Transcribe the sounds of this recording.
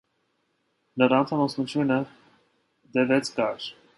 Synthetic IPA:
nəɾɑnt̪ʰɑmɔsnut̪ʰjunə | d̪ɛvɛt͡sʰkɑɾ

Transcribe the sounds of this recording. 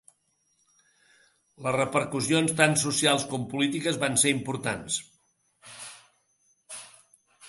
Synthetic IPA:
ləzrəpəɾkusionst̪ansusijalˠskɔmpulit̪ikəzβanseɾimpuɾt̪ans

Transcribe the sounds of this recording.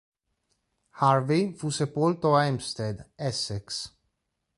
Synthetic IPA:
haɾvifusepolt̪oɛmst̪ed̪ɛsɛks

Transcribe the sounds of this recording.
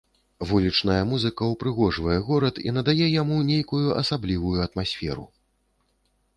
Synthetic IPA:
vulʲit͡ʂnɐjɐmuzɨkɐwpɾɨɣɔʐvɐjɛɣɔɾɐt̪ḭn̪ɐd̪ajɛjamunʲejkujuʔɐ̰sablʲivujuɐt̪masʲfʲɛ̰ɾṵ

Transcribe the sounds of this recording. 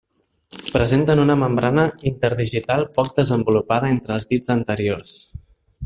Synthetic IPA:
pɾəzent̪ənunəməmbɾanəint̪əɾðiʒit̪alˠpɔk̚d̪əzəmbulupaðəent̪ɾəːlˠzðid͡zənt̪əɾiors

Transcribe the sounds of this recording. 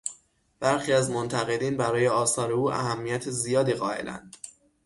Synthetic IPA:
b̥æɾxiːæzmont̪ʰæɣe̞d̪iːnbæɾɒːje̞ɒːsɒːɾeuːʔæ̰ɦæmːijæt̪ʰezijɒːd̪iːɣɒːe̞̰lʔæ̰nd̪̥

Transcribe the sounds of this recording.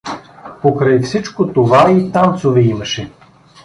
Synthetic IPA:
pokɾajfsit͡ʃkot̪ovait̪ant̪sovɛimɐʃɛ

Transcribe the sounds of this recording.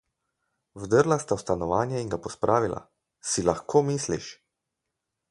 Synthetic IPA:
wd̪əɾlast̪awst̪anɔʋaːnjɛiŋɡapɔspɾʔaːʋilʔa̰ | silaxkoːmiːslḭʃ

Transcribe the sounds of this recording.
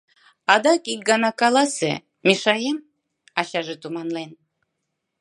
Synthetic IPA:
ɑd̪ɑkik̚ɡɑnɑkɑlɑsḛ | meʃɑjem | ɑɕɑʒet̪umɑnlen

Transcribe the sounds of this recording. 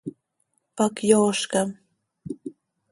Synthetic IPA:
pakjoːʃkɑm

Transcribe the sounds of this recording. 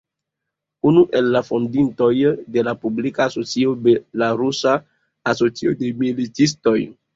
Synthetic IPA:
unuʔe̞lːafo̞ndinto̞jde̞lapublikaːso̞t͡sio̞belaɾusaː | so̞t͡siodemilitis̬to̞j

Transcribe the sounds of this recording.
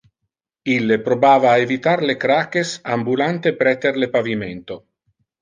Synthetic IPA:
ilːepɾobaːvaːevit̪aɾlekɾaːkesambulant̪epɾɛt̪eɾlepaviment̪o

